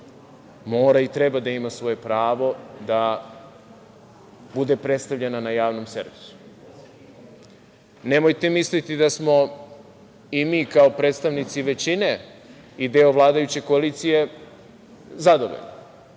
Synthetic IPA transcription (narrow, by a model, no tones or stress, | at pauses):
moːɾait̪ɾe̞bad̪aimasʋo̞je̞pɾaːʋo̞d̪a | bud̪e̞pɾe̞t̪st̪avʎe̞nanajaːʋno̞mse̞̰ɾʋisu̥ | ne̞mojt̪e̞mislit̪id̪asmo̞ | imiːkao̞pɾeːt̪st̪aʋnit̪siʋe̞t͡ɕine̞ | id̪eoʋlˠaːd̪ajut͡ɕe̞koaliːt̪sije̞ | zad̪oʋo̰ʎno